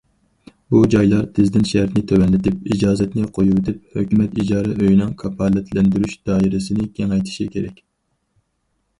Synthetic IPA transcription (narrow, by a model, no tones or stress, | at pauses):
bud͡ʒɑjlˠɑɾt̪ʰɪzd̪ɪnʃɛɾt̪nɪt̪ʰøwɛnlɪt̪ʰɪpid͡ʒɑːzɛt̪nɪqʰojuwt̪ʰɪp̚høkʲymɛt̪id͡ʒɑːɾɛʔøjnɨŋkʰɑpʰɑlːɛt̪ʰlɛnd̪yɾyʃd̪ɑːiɾɪsɪnɪkʲʰeŋɛjt̪ʰɪ̥ʃikʲʰeɾɛ̰kʲ